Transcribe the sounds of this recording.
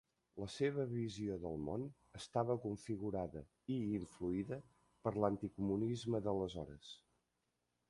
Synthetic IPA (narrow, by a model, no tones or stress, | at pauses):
ləseβ̞əβizioðəlˠmon | əst̪aβəkuɱfiɣuɾaðə | iːɱfluiðə | pəɾlənt̪ikumunizməðələzɔɾəs